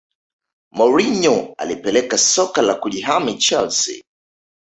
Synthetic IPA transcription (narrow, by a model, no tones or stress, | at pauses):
mɔɹiɲɔa̰lipɛlɛkasɔkalakuʄiɦamit͡ʃɛlsḭ